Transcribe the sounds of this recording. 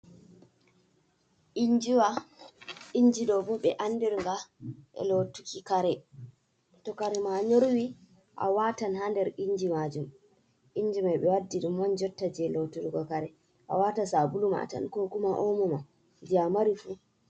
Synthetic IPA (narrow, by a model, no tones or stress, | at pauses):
ʔiɲd͡ʒiwa | iɲd͡ʒiɗɔbɔɓɛʔandɛɾŋɡaʔɛ̰lotukikaɾɛ | tɔkaɾɛmaɲoɾwi | ʔa̰watanhandɛɾiɲd͡ʒimad͡ʒum | ʔiɲd͡ʒimajɓɛwadːiɗumwaɲd͡ʒɔtːad͡ʒɛlotuɾɡɔkaɾɛ | ʔa̰watasabuluma̰ta̰nkokumaʔomuma | d͡ʒamaɾifu